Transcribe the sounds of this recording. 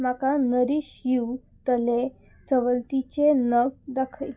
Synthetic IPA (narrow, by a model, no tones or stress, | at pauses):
makanəɾiɕjiw | t̪əle | səʋəlt̪it͡ɕenəɡd̪akʰəj